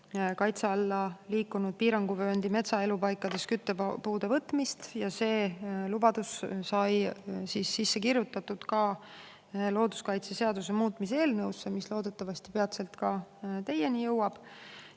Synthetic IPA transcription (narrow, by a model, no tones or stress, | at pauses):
kɑjt̪seɑlːɑliːkːunud̪̥̚piːɾɑŋɡuvøːend̪ime̞t̪sɑe̞lupɑjkːˑɑd̪̥e̞skyt̪ːepuːd̪̥e̞vɤt̪ːˑmist̪jɑse̞ːlub̥ɑd̪̥ussɑjsisːisːe̞kirjut̪ːˑɑt̪ːud̪̥kɑ | lo̞ːd̪̥uskɑjt̪se̞se̞ɑd̪use̞muːt̪ˑmiseːlnɤwsːemislo̞ːd̪̥e̞t̪ːˑɑvɑst̪ipe̞ɑt̪se̞lt̪kɑt̪e̞je̞nijɤwɑb̥